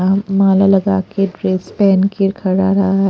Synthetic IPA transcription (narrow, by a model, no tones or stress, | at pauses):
amaːlalɐɡaːkeɖɾeːspɛːnkikʰɐɽaɾɐɦaɦɛ